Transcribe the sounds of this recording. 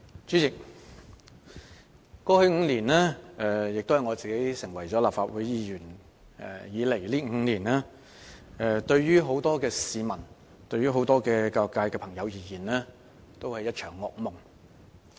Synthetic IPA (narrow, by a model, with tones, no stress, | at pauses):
t͡ʃyː˨˥t͡sɪ˨k̚ | kːɔː˨˥hɵ˨˥ɥŋ̩˨˧liː˨˩nlɛː˥ɛ˨jɪ˨k̚t̪o˥whjŋɔː˨˧t͡siː˨ke˨˥jsɪ˨˩ŋwɐ˨˩jt͡ʃɔː˨˥laː˨p̚faː˧t̚wuː˨˥jjiː˨˧jyː˨˩n | ɛ̰˨˩jiː˨˧le˨˩jliː˥ŋ̩˨˧˥liː˨˩nɛː˥ | ɛ˨t̪ɵ˧ɥjyː˥ɦo˨˥wt̪ɔː˥kɛː˧siː˨mɐ˨˩n | t̪ɵ˧ɥyː˥ɦo˨˥wt̪ɔː˥kɛː˧kaː˧˨kːaː˧jkɛː˧pʰɐ˨˩ŋjɐ˨˧wjiː˨˧jiː˨˩nlɛː˥ | t̪o˥whɐ˨jːɐ˥t̚t͡ʃʰœː˨˩ŋːɔː˧k̚mʊ˨˩ŋ